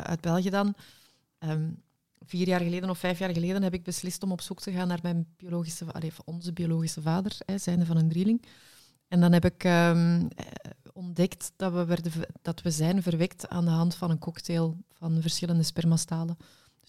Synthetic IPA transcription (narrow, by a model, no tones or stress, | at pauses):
ʔœ̰ːd̚bɛlˠɣijədɑn | əːm | v̥iːrjaːrɣəleːdənɔfɛjfjaːrɣəleːdənɦɛpɪɡ̚bəslɪstɔmɔpsuktəɣaːnːaːrmɛjnb̥ioloːɣisəɑ̰leːvɔnzəbijoloːɣisəvaːdərɛzɛːndəvɑnəndrilɪŋ | ɛndɑnɦɛpɪkəm̰ | ɔndɛktd̥ɑwəɛrdəd̥ɑtwəzɛjnvərʋɛkta̰ːndəɦɑntfɑnənkɔkteːlˠv̥ɑnvərsxɪləndəspɛrmɑstaːlə̥